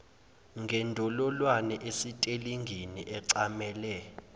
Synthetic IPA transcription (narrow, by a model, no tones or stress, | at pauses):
ŋɡʱɛndʱɔlɔlwanɛʔesitʼeliŋɡʱiniʔɛǀamɛːlɛ